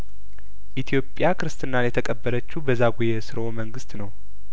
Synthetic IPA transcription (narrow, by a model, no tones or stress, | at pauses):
ʔit̪ʰjo̞pʼjakʰɨɾɨst̪ʰʼɨnːanjɛt̪ʰəkʼəbːəɾət͡ʃːubəzaɡujesɨɾəoməŋɡɨst̪nəw